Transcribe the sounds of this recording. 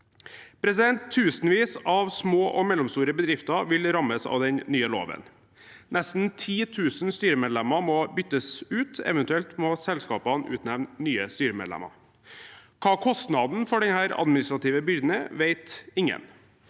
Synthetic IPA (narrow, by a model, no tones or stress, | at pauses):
pʰɾɛsɪd̪ɛnt̪ʰːʉːsənʋiːsɑʋsmoːʔɔmɛlɔmst̪uːɾəbəd̪ɾɪft̪ɑʋɪlɾɑməsɑ̰ːʋd̪ɛnːyːəlo̰ːʋə̰n | nɛst̪n̩t̪ʰiːt̪ʰʉːsnst̪yːɾəmeːd̪lɛmɑmɔbʏt̪ːəsʉːt̪ɛ̰ʋənt̪ʉɛlt̪mɔsɛlskɑːpɑnʉ̰ːt̪næʋnnyːəst̪yːɾəmḛd̪lɛ̰mɑ̰ | kʰɑːkʰɔst̪nɑd̪n̩fɔɖɛnhæːɾɑ̰d̪mɪnɪst̪ɾɑt̪ʰiːʋəbʏɾd̪n̩əʋeɪt̪ɪŋə̰n